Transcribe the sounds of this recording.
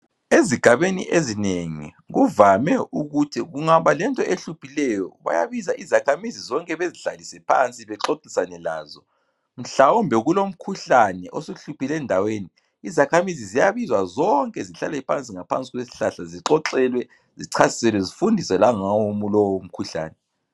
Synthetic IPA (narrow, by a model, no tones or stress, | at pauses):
eziɡ̥ʱaβenḭʔezineŋḭ | ɣuvamɛuɣutʰiɣuŋaβalɛntʼɔʔeɬupʰilɛjɔβa̰ja̰βizaʔizakʰamizizɔŋkʼɛβeziɬalisɛpʰa̰nt͡sʼiβɛǁoǁisanɛla̰ːzɔ | m̩ɬawumbʱɛɣulom̩kʰuɬanɛʔosuɬupʰilɛndʱaweniː | zakʰamizizijaβizwazɔŋkʼɛziɬa̰lɛpʰant͡sʼiŋapʰa̰nt͡sʼiɣwesi̥ɬaɬaziǁɔǁɛlwɛ | ziǀʰasi̥sɛlwɛzifundʱisɛlaŋawomulɔwom̩kʰuɬa̰ːnɛ